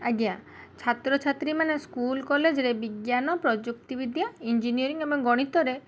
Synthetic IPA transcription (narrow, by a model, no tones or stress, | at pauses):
aɡiat͡ʃʰat̪ɾɔt͡ʃʰat̪ɾimaneskulkɔled͡ʒɔɾebiɡjanɔpɾɔd͡ʒuk̚t̪ibid̪ʱjaind͡ʒinijɔɾiŋebɔŋɡɔɽ̃it̪ɔɾe